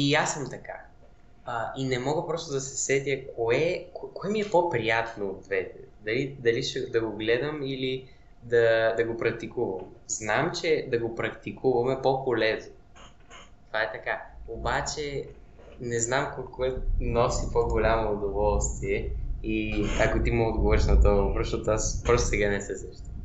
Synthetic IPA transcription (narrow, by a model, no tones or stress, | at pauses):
iasːəmt̪ɐka | əinɛmɔɡəpɾɔst̪od̪ɐsɛ̥sɛt̪ʲjəkʰoɛkokoɛmiɛpopɾijat̪nod̪vɛt̪ɛd̪ɐlid̪ɐliʃɛd̪ɐɡoɡlɛd̪əmili | d̪ɐd̪ɐɡopɾɐk̚t̪ikuvɐmznamt͡ʃɛd̪ɐɡopɾɐkt̪ikʰuvɐmɛpopolɛzno | t̪ovaɛt̪ɐkaobat͡ʃɛ | nɛznamkokɔɛnɔsipoɡolʲamoːd̪ovɔlˠst̪viɛiakot̪imɐod̪ɡovɤɾʃnət̪ovɾoʃot̪aspɾɔst̪sɛɡanɛsɛsɛʃt̪a